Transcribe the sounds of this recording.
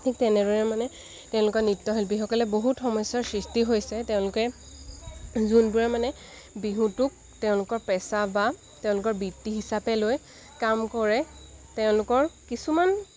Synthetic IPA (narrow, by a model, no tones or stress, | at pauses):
tʰik̚tɛnɛdɔjɛmanɛ | tɛʊ̃lʊkɔnitːɔɦilbixɔkɔlɛboɦutxɔmɔjsaɹsɹistiɦojsɛtɛʊ̃lʊkɛ | zunbuɹɛmanɛ | biɦũtʊk̚ | tɛʊ̃lʊkɔɹpɛsaba | tɛʊ̃lʊkɔɹbitːiɦisapɛloj | kamkɔɹɛ | tɛʊ̃lʊkɔɹkisuman